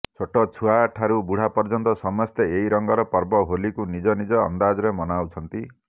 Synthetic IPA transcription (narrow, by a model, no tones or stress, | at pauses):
t͡ʃʰoʈɔt͡ʃʰuaʈʰaɾubuɽ̤apɔɾd͡ʒɔnt̪ɔsɔmɔst̪eeɦiɾɔŋɡɔɾɔpɔɾbɔɦolikunid͡ʒɔnid͡ʒɔ̰ːnd̪ad͡ʒɔɾemɔnawt͡ʃʰɔnt̪i